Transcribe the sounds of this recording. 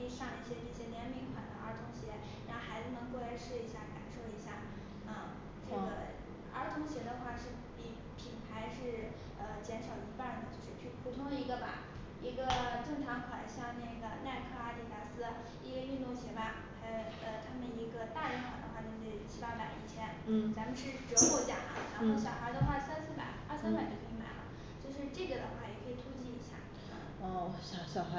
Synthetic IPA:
ʂɑ˥˧ŋi˥˩ɕjɛ˥ʈ͡ʂ̩˥˩ɕjɛ˥njɛ˧˥nmi˧˥˩kʰwa˨˩nd̪ə˦ə˞˧˥t̪ʰʊ˧˥ŋɕjɛ˧˥ | ɻa˥o˥˧˩xa˧˥ɪt͡sɹ̩˧nɤ˧˥ŋkɤ˥˩˧we˧˥ɪʂɻ̩˥˩i˧˥ɕja˥˩ka̰˨˩nʂo˥˩ʊi˧˥ɕja˥˩ | ə˧˩ | ʈ͡ʂe˥˩ɡə̰˩ | ə̰˞˧˥t̪ʰʊ˧˥ŋɕjɛ˧˥d̪ə˧xwa˥˧ʂɻ̩˥˩ | pi˨˧˩ | pʰi˨˩npʰa˧˥ɪʂɻ̩˥˩ | ə˧t͡ɕjɛ˧˥nʂɑ˨˩ʊi˧˥pa˥˩d̪ə˩t͡ɕjo˥˧ʊʂɻ̩˥˧t͡ɕʰy˥˩pʰu˨˩t̪ʰʊ˥ŋd̪ə˧i˧˥ɡə˧pa̰˨˩ | i˧˥ɡə˧ʈ͡ʂɤ˥˩ŋʈ͡ʂʰɑ˧˥ŋkʰwa˨˩nɕjɑ˥˧ŋne˥˩ɡə˩na˥˧ɪkʰɤ˥˧a˥t̪i˥˩t͡ɕa˧˥sɹ̩˥ | i˥ɡə˧y˥˧nu˥˩ŋt͡ɕʰjɛ˧˥ba˥˨˩ | xa˧˥ɪ | ə˧t̪ʰa˥mə˨ni˧˥ɡə˧t̪a˥˧i˥˩nxwa˨˩d̪ə̰˦xwa˥˩na˥˧te˥˩˨t͡ɕʰi˥pa˥pa˨˩ɪi˥˩t͡ɕʰjɛ˥n̩˥˩t͡sa˧˥mə˧nʂɻ̩˥˩ʈ͡ʂɤ˧˥xwɔ˥˩t͡ɕjɑ̰˨˩ŋa̰˧˩ɻa˧˥xo˥˩ʊɕ̬jɑ˨˩ʊxa˧˥d̪ə˧xwa˥˩sa˥nsɹ̩˥˩pa̰˨˩ɪa˥˧sa˥npa˨˩ɪt͡ɕo˧˩kʰi˧˩ma̰˨˩ɪlə̰˧˦ | t͡ɕjo˥˧ʊʂɻ̩˥˧ʈ͡ʂe˥˩ɡə˩d̪ə˩xwa˥˩jɛ˨˩kʰɤ˧˥i˨˩t̪ʰu˥t͡ɕi˥˩i˧˥ɕja̰˥˩ | ɔ˥˧˩ɕɑ˨˩ɕjɑ˨˩ʊxa˧˥

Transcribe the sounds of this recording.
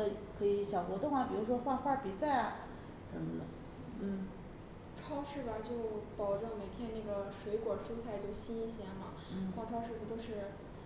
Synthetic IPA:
ə˧kʰɤ˧˥i˧˥ɕjɑ˨˩ʊxwɔ˧˥t̪ʊ˥˩ŋa˨˩pi˨˩ɻu˧˥ʂwɔ˥xwa˥˧xwa˥˩pi˨˩sa˥˩ɪɐ˩ | ʂə˧˥mə̰˧nə̰˧˩ | n̩˥˩ | ʈ͡ʂʰwɑ˥ʊʂɻ̩˥˩ba˩t͡ɕjo˥˩ʊpɑ˨˩ʊʈ͡ʂɤ˥˩ŋme˨˩ɪt̪ʰjɛ˥nna˥˩ɡə˩ʂwe˧˥ɪkwɔ˨˩ʂu˥t͡sʰa˥˧ɪt͡ɕjo˥˩ʊɕi˥ni˥˩ɕjɛ˧˥nma˧ | n̩˥˩kʰwɑ˥˧ŋʈ͡ʂʰɑ˥ʊʂɻ̩˥˩u˧˩t̪o˥ʊʂɻ̩˥˩

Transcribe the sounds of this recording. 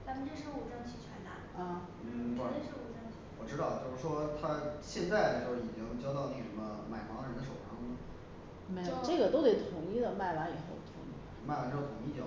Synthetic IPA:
t͡sa˧˥mə˧ʈ͡ʂə˥˧ʂə˥u˨˥˩ʈ͡ʂɤ˥˩ŋt͡ɕʰy˨˧˩t͡ɕʰɥɛ̰˧˥nt̪a̰˥˩ | ə˥˩˨ʂə˥u˧˥˩ʈ͡ʂɤ˥˩ŋt͡ɕʰy̥˧˩wɔ˨˩ʈ͡ʂɻ̩˥ɾɑ˥˧ʊt͡ɕjo˥˧ʊʂɻ̩˥˩ʂwɔ˥t̪ʰa˥ɕjɛ˥˧nt͡sa˥˧ɪt͡ɕjo˥˧ʊʂɻ̩˥˩i˨˩t͡ɕi˥ŋxt͡ɕjɑ˥ʊt̪ɑ˥˧ʊne˥˩ə˨ʂə˧˥mə˧ma˨˩ɪmɑ˧˥ŋə˧ɻə˧˥nd̪ə˧ʂo˨˩ʊʂɑ˥ŋmə˨˩ | me˧˥ɪo˩˨˧ʈ͡ʂɤ˥˩ɡə˩t̪o˥ʊt̪we˥˩ɪt̪ʰʊ˧˥ŋi˥˩d̪ə˨ma˥˩ɪwa˧˥ni˨˩xo˥˩ʊt̪ʰʊ̰˧˥ŋḭ˧˥˩ | ma˥˩wa˧˥n˥˩t̪ʰʊ˧˥ŋi˥˩˥

